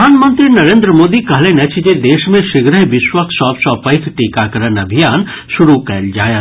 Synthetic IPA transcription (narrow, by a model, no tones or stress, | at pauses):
aːnmə̃nt̪ɾinɐɾẽːnd̪ɾəmoːd̪ikɐɦlenɛt͡ʃʰid͡ʒed̪eːʃmẽʃɪɡɾəɦʋɪʃwəkʰsɔːpsɔːpɐɪk̪ʰʈiːkakɐɾənɐbʱijaːn | ʃʊɾukɛːld͡ʒaːjaː